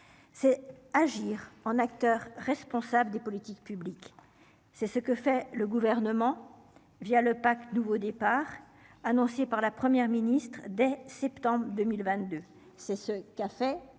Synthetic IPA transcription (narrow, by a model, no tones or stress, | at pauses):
sɛaʒiʁɑ̃nak̚t̪œʁːɛspɔ̃sabləd̪epɔlit̪ik̚pyblik | sɛsəkəfɛləɡuvɛʁnəmɑ̃ | vjaləpakt̪nuvod̪epaʁ | anɔ̃sepaʁlapχəmjɛʁminist̪χd̪ɛsɛpt̪ɑ̃bʁəd̪ømilvɛ̃t̪̚d̪ø | sɛsəkafɛ